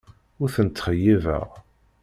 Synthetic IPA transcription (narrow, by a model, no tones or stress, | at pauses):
ʊɾθənt̪ːχəjːivə̰ʁ